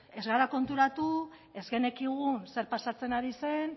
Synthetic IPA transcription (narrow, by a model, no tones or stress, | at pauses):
e̞zɣaɾako̞nt̪uɾat̪u | e̞zɣe̞ne̞kiɣ̞unse̞ɾpasat͡se̞naɾise̞n